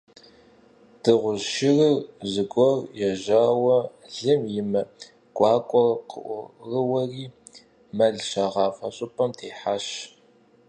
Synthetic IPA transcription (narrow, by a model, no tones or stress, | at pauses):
d̥ɨʁʷʊʃɪrɨrzɨɡʷʼɔrjɛʒaːwɐɮɨmjɪmɐ | ɡʷʼɑːkʷʼɔqə̰ʔʷrɨwɐriː | mɐɮʃɐʁɑːfɐɕʼʊpʰʼɐmtʰeːħaɕ